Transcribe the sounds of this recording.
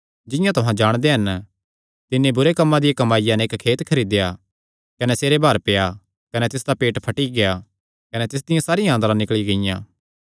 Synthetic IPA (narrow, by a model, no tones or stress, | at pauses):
d͡ʒɪ̃jãt̪ʊɦãd͡ʒaːɽ̃d̪eɦɐn | t̪ɪnːebʊɾekɐmːãd̪ɪjãkɐmaːɪjanɛɪkkʰeːt̪kʰɐɾiːd̪eja | kɐnɛseːɾebaːɾpɪja | kɐnɛt̪ɪs̬d̪apeːʈpʰɐʈiɡeja | kɐnɛt̪ɪs̬d̪ɪjãsaːɾijãːnd̪ɾãnɪkɭiɡɐɪjã̰ː